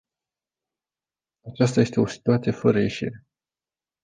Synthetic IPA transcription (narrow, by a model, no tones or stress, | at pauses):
at͡ʃast̪aje̞st̪e̞o̞si̥t̪uat̪sije̞fəɾəje̞ʃḭɾe̞